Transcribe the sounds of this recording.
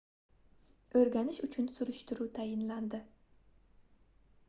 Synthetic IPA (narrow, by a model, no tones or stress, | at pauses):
ɵɾɡʲanɪʃʊt͡ʃʰʊnsʊɾʊʃt̪ɪɾut̪ʰajɪnland̪ɪ